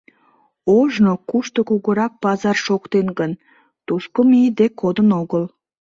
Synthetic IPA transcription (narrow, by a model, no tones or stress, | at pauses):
oʒnokuʃt̪okuɣəɾɑk̚pɑzɑrʃokt̪enɡən | t̪uʃkomid̪ekod̪ənoɣəl